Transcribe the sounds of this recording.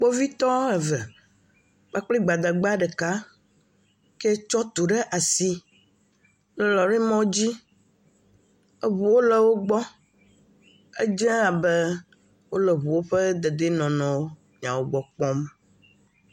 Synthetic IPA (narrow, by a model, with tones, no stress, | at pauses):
k͡pɔ˦vi˦t̪ɔ˦ɛ˨vɛ˨ | b̥a˦k͡pli˦ɡ͡ba˨d̪a˨ɡ͡ba˦ɖɛ˨ka˦ | ke˦t͡ʃɔ˦t̪u˨ɖe˦ʔa˨si˦ | lɔ˨ɾi˦mɔ̃˦d͡ʑi˦ | e˦βu˨wo˦lɛ˨wo˦ɡ͡bɔ˦ | e˦d͡ʒɛ̃˦a˨bɛ˦ | wo˦lɛ˨βu˨wo˦ɸɛ˦d̪e˨d̪e˦nɔ̃˨nɔ̃˨wo˦ | mĩ˨ã˨wo˦ɡ͡bɔ˦k͡pɔ˦m